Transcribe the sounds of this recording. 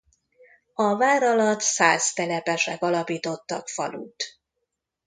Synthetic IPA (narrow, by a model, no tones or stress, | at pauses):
ɒvaːɾɒlɒt̪saːzt̪ɛlɛpɛʃɛkɒlɒpiːt̪o̞t̪ːɒkfɒ̰lṵːt̪